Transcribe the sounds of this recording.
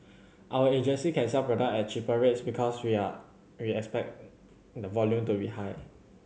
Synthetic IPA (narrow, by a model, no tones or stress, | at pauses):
ʔawəed͡ʒə̃nsikʰɛ̃nsɛpɹɔdak̚ɛt̚t͡ʃipəɹetsbikʰɔswia | wiɛkspɛk̚ | dəvɔljũmtubihaɪ